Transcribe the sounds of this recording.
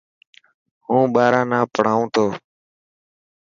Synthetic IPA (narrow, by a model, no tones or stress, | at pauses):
hũːɓaːɾãːnãːpəɽ̤aːũːt̪ʰoː